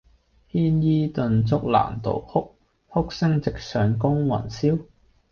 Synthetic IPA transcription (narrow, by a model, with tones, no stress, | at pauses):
hiː˥njiː˥t̪ɵ˧nt͡sʊ˥k̚la̰ː˨˩nt̪o̰˨whʊ˥k̚ | hʊ˥k̚sɪ˥ŋt͡sɪ˨k̚sœː˨˧ŋkʊ˥ŋwɐ̰˨˩nsiː˥w